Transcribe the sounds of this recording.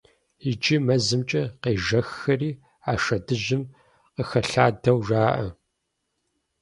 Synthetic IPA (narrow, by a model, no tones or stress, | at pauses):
id͡ʒʼimɐzɨmt͡ʃʼɐqeːʒɐxːɐriː | aːʃɐdɨʒɪm | qəxɐɬaːdɐwʒaːʔɐ